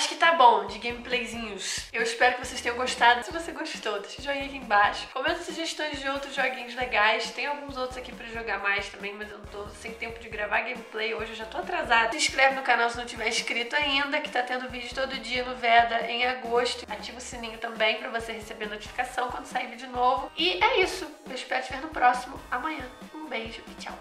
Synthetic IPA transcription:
aʃʊ̥kɪt̪abõw̃d͡ʒɪɡẽj̃miplejzĩɲʊsewɪʃpɛɾʊkɪvosejst̪ẽɲ̃ɐ̃ɡoʃt̪ad̪ʊsɪvoseɡoʃt͡ʃɪ̥t̪ot̪e̥ʃɪʒɔɡẽjakiẽbaʃʊ̥kõmɛ̃zɐsuʒeʃt̪õj̃zd͡ʒɪowt̪ɾʊzʒɔɡĩɲʊzleɡajst̪ẽj̃awɡũzowt̪ɾʊzakipɾɐʒoɡamajst̪ɐ̃mbẽj̃mɐzewnɐ̃w̃t̪osẽj̃t̪ẽmpʊd͡ʒɪɡɾavaɡẽjmiplejoʒɪewʒat̪oat̪ɾazad̪ɐʊsĩʃkɾɛvɪnʊkanawsɪnɐ̃w̃t͡ʃɪvɛɾɪʃkɾit̪ʊaĩnd̪ɐkɪ̥t̪at̪ẽnd̪ʊvid͡ʒʊt̪od̪ʊʊd͡ʒiɐnʊvɛd̪ɐʔẽj̃aɡoʃt̪ʊat͡ʃivʊsinĩɲʊt̪ɐ̃mbẽj̃pɾɐvosehesebenot͡ʃi̥fi̥kasɐ̃w̃kwɐ̃nd̪ʊsaivid͡ʒɪnovʊɪɛisʊewɪʃpɛɾʊt͡ʃɪveɾnʊpɾɔsimʊamɐ̃ɲ̃ɐ̃ũbejʒʊit͡ʃa̰w

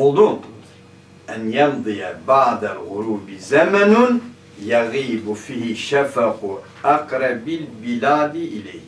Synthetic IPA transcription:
ʊd̪ˤuː | ʔanjɑnd̪ˤijabɑʕd̪alɣʊɾuːbzamanʊ | jɑɣiːbfiːhɪʃafaqʊ | ʔɑqɾˤɑbalbɪlaːd̪ʔɪla̰jh

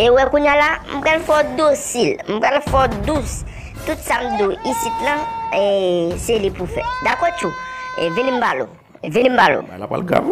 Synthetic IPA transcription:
ewɛkuɲãlam̩ɡ͡balfɔd̪osilm̩ɡ͡balfɔd̪us | t̪usamd̪oisit̪nãeselipufɛ̰d̪akɔt͡ʃuevinĩm̩balo̰ | venĩmbalo̰a̰

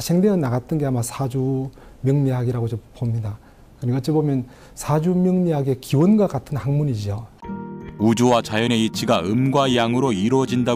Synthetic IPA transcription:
ɕʰeŋde̞jʌnaɡat͈̚ɯnɡe̞amasʰad͡ʑumjʌŋɲiɦaɡiɾaɡod͡ʑompomɲida | kɯnikʌt͡ɕ͈ʰibomjʌn | sʰad͡ʑumjʌŋɲiɦaɡiekiwʌnɡwakatʰɯnhaŋmuɲid͡ʑio | ud͡ʑowat͡ɕajʌne̞it͡ɕʰiɡaɯmɡwajaŋɯɾoiɾwʌd͡ʑinda

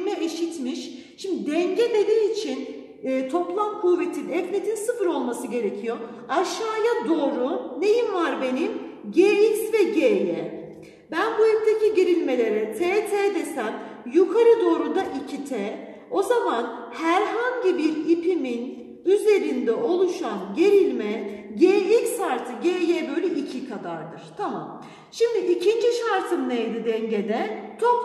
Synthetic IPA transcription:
mɛeʃit̪miʃʃimd̪id̪ɛɲɟɛd̪e̞d̪iːit͡ʃʰinː | t̪ʰo̞plˠamkʰuːve̞t̪ʰinɛfnet̪ʰinsɯfɯɾo̞lˠmasɯɟe̞ɾe̞cʰijo̞ | aʃːaːjad̪o̞ːɾune̞jimvaɾbe̞nimɟeːiksvɛɟeːjɛ | bænbuip̚t̪ʰeciɟiɾilʲme̞lʲe̞ɾɛt̪ʰeːt̪ʰeːd̪e̞sæmjukʰaɾɯd̪o̞ːɾud̪aʔicʰit̪ʰɛː | o̞zaman | hæɾɦaɲɟibiɾipʰimin | yze̞ɾind̪ɛʔo̞lˠuʃanɟe̞ɾilʲmɛɟeːicshaɾt̪ʰɯɟeːjeːbø̞jlʲɛʔicʰikʰad̪aɾd̪ɯɾ̥t̪ʰama̰m | ʃimd̪iʔicʰind͡ʒiʃaɾt̪ʰɯmnejd̪id̪ɛɲɟed̪ɛt͡ʃʰok

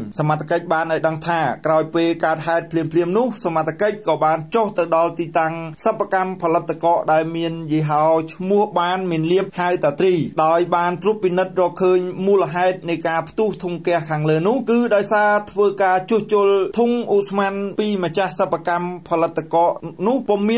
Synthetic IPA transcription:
samat̪ʰːḁkəc̚ɓaːnʔaɔjɗəŋt̪ʰaːkraɔjpeːlkaət̪̚haɛt̪̚pʰliəmpʰliəmnʊ̆əhsamat̪ʰːakəc̚kɑːɓaːnt͡ɕoht̪ɨwɗɑlt̪iːt̪aŋsəpʰːakampʰɑlɨt̪ʰːkɑːʔɗaɛlmiənjiɦaɔt͡ɕʰmʊ̆əhɓaːnmiənliəp̚hawt̪aːt̪riːɗaɔjɓaːnt̪rŭəpːinɨt̪̚rɔːkʰːəːɲmuːləɦaɛt̪̚nɨjkaːpʰt̪uht̪ʰuŋkɛ̆əhkʰaːŋləːnʊ̆əhkɨːɗaɔjsaːt̪ʰʋəːkaːt͡ɕʊəht͡ɕ̆əlt̪ʰuŋʔuʔsmanpiːmat͡ɕahsəpːakampʰɑlɨt̪ʰːkɑːʔnʊ̆əhpomːiə

